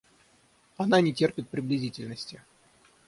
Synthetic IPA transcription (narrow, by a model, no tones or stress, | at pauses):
ananʲɪtʲe̞rpʲɪt̪̚pɾʲɪblʲɪzʲitʲɪlʲnəsʲtʲɪ